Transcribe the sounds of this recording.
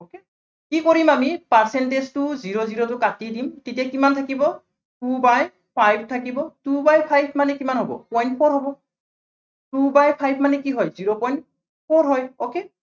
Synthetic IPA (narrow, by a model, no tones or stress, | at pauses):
oke | kikoɹimamipaɹsɛntestʊziɹoziɹotʊkatidimtetiakimantʰakibɔ | tubaj | pʰajb̚ʱtʰakibɔtubajpʰajb̚ʱmanɛkimanɦɔbɔ̰pɔjntpʰɔɹɦɔbɔ | tubajpʰajb̚ʰʱmanɛkiɦɔjziɹopɔjnt̚ | pʰɔɹɦɔjoke